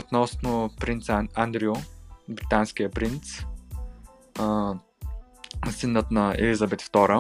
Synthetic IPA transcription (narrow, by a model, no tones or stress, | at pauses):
ot̪nɔsnopɾint̪sand̪ɾiobɾit̪ansk̟ijəpɾint̪s | sinːət̪nɐɛ̰lizɐbɛt̪ft̪ɔɾə